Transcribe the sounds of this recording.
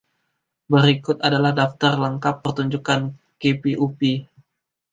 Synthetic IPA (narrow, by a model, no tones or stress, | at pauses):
bəɾikʊt̪adalahdaft̪ərləŋkapːərt̪uɲd͡ʒukan | kepiʔupi